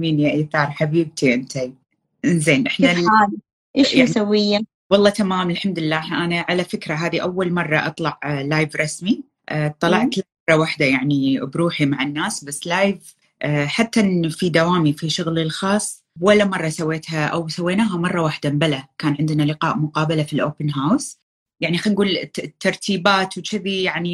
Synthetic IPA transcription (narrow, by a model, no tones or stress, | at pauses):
miːnjaʔiθɑːɾˤħabiːb̚t̪ʰiʔɪnt̪ʰa | ɪnzeːnʔɪħnaaːl | ʔɪːʃjasawːɪjːa | wɑlˤːɑːt̪amaːmɪlħamd̪ɪlːaːhʔanaʕalafɪkɾaɦaːðiʔawːalmɑrˤːɑʔɑt̪ˤlɑʕlaːjvɾˤɑsmi | ʔːt̪ˤːɑlɑʕt̪laɑrˤːɑwaħd̪ajaʕnibɾuːħimaʕɪnːaːsbasːlaːjv | ʔħat̪ːanfid̪awaːmifiʃʊɣlɪlxɑːsˤː | walːamɑrˤːɑsawːeːt̪haʔawsawːeːnaːɦamɑrˤːɑwaːħd̪ambalakaːnʕɪnd̪nalɪqɑːʔmʊqɑːbalafilʔo̰ːpɪnɦaws | jaʕnixanɡuːlt̪ːɑɾˤt̪ʰiːbaːt̪wt͡ʃɪbijaʕni